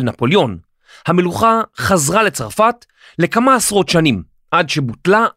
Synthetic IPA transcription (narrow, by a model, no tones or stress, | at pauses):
napo̞ljo̞n | hame̞luχaχazʁale̞t͡saʁfat | le̞kamaːsʁo̞tʃanim | ʔadʃebutla